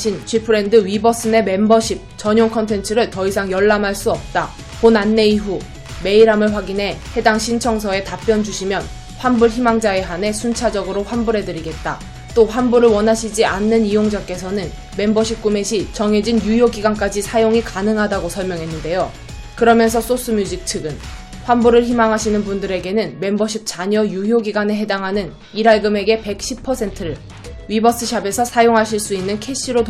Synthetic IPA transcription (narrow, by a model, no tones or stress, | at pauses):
ɕʰint͡ɕʰɥipʰɯɾe̞ndɯɥibʌs͈ɯne̞me̞mbʌɕʰip̚t͡ɕʌɲjoŋkʰʌntʰe̞nt͡ɕʰɯɾɯɭtʌisʰaŋjʌɭːamɦaɭs͈uʌp̚t͈a | ponanːe̞iɦu | me̞iɾamɯɭɸwaɡinɦe̞he̞daŋɕʰint͡ɕʰʌŋs̬ʰʌe̞tap͈jʌnd͡ʑuɕʰimjʌn | ɸwambuɭçimaŋd͡ʑae̞ɦane̞sʰunt͡ɕʰad͡ʑʌɡɯɾoɸwanbuɾɦe̞dɯɾiɡe̞t̚t͈a | t͈oɸwanbuɾɯɭwʌnɦaɕʰid͡ʑianːɯnijoŋd͡ʑak͈e̞s̬ʰʌnɯn | me̞mbʌɕʰik̚k͈ume̞ɕʰit͡ɕʌŋɦe̞d͡ʑinjujoɡiɡank͈ad͡ʑisʰajoŋikanɯŋɦadaɡosʰʌɭmjʌŋɦe̞nːɯnde̞jo | kɯɾʌmjʌns̬ʰʌs͈os͈ɯmjud͡ʑik̚t͡ɕʰɯɡɯn | ɸwanbuɾɯɭçimaŋɦaɕʰinɯnpundɯɾe̞ɡe̞nɯnme̞mbʌɕʰik̚t͡ɕ͈aɲʌjuɦjoɡiɡaneɦe̞daŋɦanɯn | iɾaɭɡɯme̞ɡe̞pe̞k̚ɕ͈ʰipʰʌsʰe̞ntʰɯɾɯɭ | ɥibʌs͈ɯɕʰabe̞sʰʌsʰajoŋɦaɕʰiɭs͈uinːɯnkʰe̞ɕ͈ʰiɾot